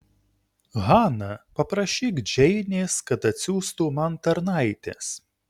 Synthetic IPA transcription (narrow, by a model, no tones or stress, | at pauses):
ɣɑːnɐpɐpɾɐʃʲiːɡd͡ʒʲɛɪnʲeːskɐt̪ɐt̪ʲsʲuːst̪umɐnt̪ɐɾnɐˑɪt̪ʲes